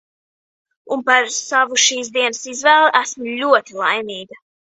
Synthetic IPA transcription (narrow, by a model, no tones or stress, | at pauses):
unpaɾsavuʃiːsd̪iɛnəsizvɛːlˠʔæsmulʲuɔt̪ilˠajmiːɡɐ